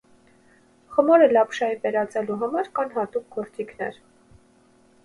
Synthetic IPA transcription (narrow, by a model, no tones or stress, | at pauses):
χəmɔɾəlɑpʃɑivɛɾɑt͡sɛluɦɑmɑɾkɑnɦɑt̪uk̚ɡɔɾt͡sikʰnɛ̰ɾ